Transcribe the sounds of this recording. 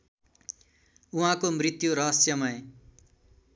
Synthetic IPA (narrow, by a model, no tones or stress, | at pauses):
uɦãkomrit̪juɾʌɦʌsjʌmʌẽ